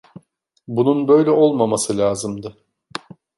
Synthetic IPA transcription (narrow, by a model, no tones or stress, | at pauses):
bununbø̞jlʲɛʔo̞lˠmamasɯlʲaːzɯmd̪ɯ